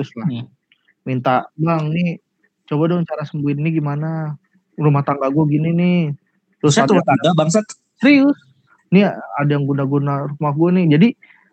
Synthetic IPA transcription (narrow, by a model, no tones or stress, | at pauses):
t̪ʊsla | mint̪abaŋnɪ | t͡ʃobadoŋt͡ʃaɾasəmbuɪnːɪɡimana | rumaht̪aŋɡaɡuaɡininɪh | d̥osaat̪uat̪aŋɡabaŋsat̪ | səɾiʊs | niadajaŋɡunaɡunaɾumahɡuanɪhd͡ʒadi